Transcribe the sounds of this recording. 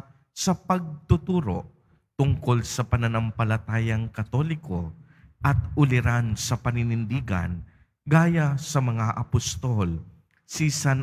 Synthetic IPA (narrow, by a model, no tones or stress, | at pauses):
sɐpɐɡ̚t̪ʊt̪uːɾo̰ | t̪ʊŋko̞lsɐpɐnɐnɐmpɐlɐt̪aːjɐŋkɐt̪olɪko̞ | ʔɐt̪ʊlɪɾansɐpɐnɪnɪnd̪iːɡɐ̰n | ɡaːjasɐmɐŋaʔɐpʊst̪ol | sisan